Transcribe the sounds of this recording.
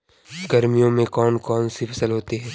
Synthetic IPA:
ɡɐɾmijõmẽkɔːnkɔːnsipfʰɐsəlɦoːt̪eɦɛ̃ː

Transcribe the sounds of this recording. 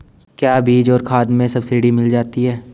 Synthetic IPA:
kjaːbʱiːd͡ʒɔːɾkʰaːd̪mẽsɐbsɪɖimɪld͡ʒaːt̪iɦɛː

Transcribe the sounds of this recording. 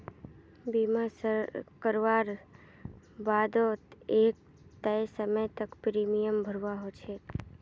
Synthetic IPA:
bimasəkəɾʋaɾ | bad̪oek̚ | t̪əjsəməjt̪əkpɾimijəmbʱəɾʋaɦot͡ʃʰe

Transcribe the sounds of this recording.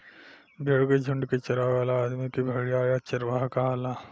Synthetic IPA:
bʱeɭked͡ʑʱuɳɖket͡ɕəɾaʋalaːd̪mikibʱəɭijajat͡ʃɐɾʋaɦkaala

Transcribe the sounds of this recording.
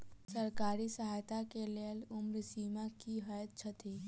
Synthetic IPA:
sɐɾkaːɾisəɦaːjt̪akeleəlʊmɾsiːmakiɦəjət̪̚t͡ʃʰɐt̪iː

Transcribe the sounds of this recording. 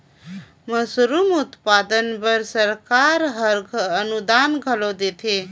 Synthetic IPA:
məsɾumut̪pad̪ənpəɾsəɾkaɾɦəɾɡənud̪anɡʱəlod̪et̪ʰe

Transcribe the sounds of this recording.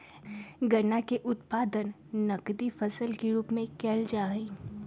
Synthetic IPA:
ɡɐɾnakeʔʊt̪paːd̪ənː | ɐkd̪ifɐsəlkeɾuːpmẽkɛːld͡ʒaːi

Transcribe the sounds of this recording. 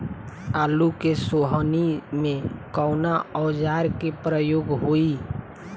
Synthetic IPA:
aːlukesoːɦənimẽkɔʊnaɔːd͡ʒaːɾkepɾəjoːɡɦoi

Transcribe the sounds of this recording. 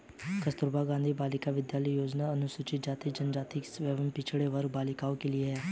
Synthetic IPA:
kəst̪ʊɾbaɡãːnd̪ʱibaːlɪkaʋɪd̪jaːləijoːd͡ʒnaɐnʊsut͡ʃɪt̪̚d͡ʒaːt̪id͡ʒənd͡ʒaːt̪ɪksʋɛːʋənpɪt͡ʃʰɽeʋəɾbaːlɪkaːõkelieɦɛː

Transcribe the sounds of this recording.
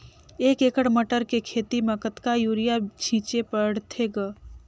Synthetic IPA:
eːkeːkəɽməʈəɾkekʰeːt̪iməkət̪kajuːɾɪjat͡ʃʰĩːt͡ʃepəɽt̪ʰeɡə

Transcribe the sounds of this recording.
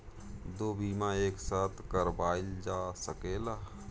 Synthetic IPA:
d̪oːbʱiːmãeːksaːt̪ʰkəɾbaːɪld͡ʒaːsəkeːlaː

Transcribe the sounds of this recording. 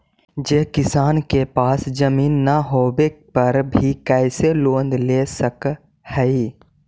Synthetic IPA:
d͡ʒeɦkɪsaːnkepaːsd͡ʒəmiːnːaɦoːbepəɾbʱikɛɪseloːnd̪lesək | hɛi

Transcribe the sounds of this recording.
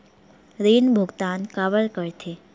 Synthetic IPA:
ɾinbʱuɡt̪ankaʋəɭkəɾt̪ʰe

